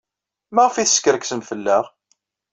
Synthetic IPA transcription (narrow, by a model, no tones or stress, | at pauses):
maʁfiθəskəɾəksəmfəlːæʁ